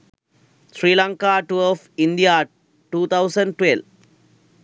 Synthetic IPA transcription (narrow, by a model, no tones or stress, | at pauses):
sɾiːlãŋkaːʈuɔfinɖija | ʈuːt̪ʰaʊsɐ̃ɳɖ̚ʈwel